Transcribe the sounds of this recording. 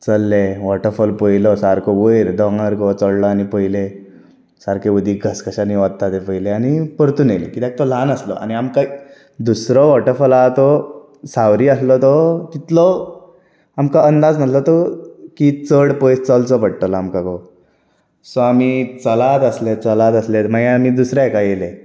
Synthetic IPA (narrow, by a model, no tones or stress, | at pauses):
t͡səlːeʋɔʈəɾfɔlpəjlɔsaɾkʰɔʋəjɾd̪ɔŋəɾkɔt͡sɔɽlɔanipəjle | saɾkeʋud̪ʱiːɡʱəskəɕaniʋad̪t̪at̪epəjleanipəɾt̪uːnelḛkit̪jak̚t̪ɔlanəslɔ̰ʔa̰niamka | d̪usɾɔʋɔʈəɾfɔlat̪ɔ | sawɾiːəslɔt̪ɔt̪it̪lɔ | amkaənd̪ad͡znat̪lɔt̪ɔkit͡səɽpɔjst͡sɔlt͡sɔpəɽt̪ɔlamkakɔ | sɔamit͡səlat̪əslet͡səlat̪əslet̪maɡẽamiːd̪usɾakajele